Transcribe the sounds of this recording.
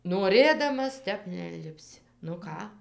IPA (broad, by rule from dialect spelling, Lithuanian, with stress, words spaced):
noːˈrʲeːdɐmɐs ˈtʲɛp nʲɛɪnʲlʲɪpʲˈsʲɪ nʊ ˈkɑː